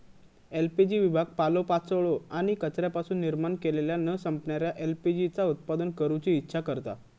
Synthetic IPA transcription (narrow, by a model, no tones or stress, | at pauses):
elpid͡ʑiʋibʱaɡ̚palopat͡səɭoaɽ̃ikət͡ɕɾjapasuːnːiɾmaɳkeleljanəsəmpɳjaɾjaʔelpid͡ʑit͡saut̪̚pad̪ənkəɾut͡ɕiːtːɕʰakəɾt̪a̰